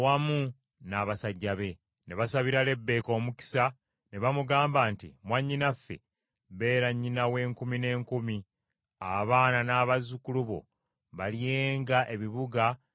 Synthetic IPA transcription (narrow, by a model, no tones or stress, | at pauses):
wamu | naːβasaɟːaβe̞ | ne̞βasaβiɾale̞bːe̞ːko̞ːmuki̥sa | ne̞βamuɡaːmbaːntḭmwaɲːinafːe̞̰ | βe̞ːɾaɲːinawe̞ːŋkumine̞ːŋkumi | a̰βaːnanaːβazukuluβo̞̰ | βalijeːŋɡaʔe̞βiβuɡa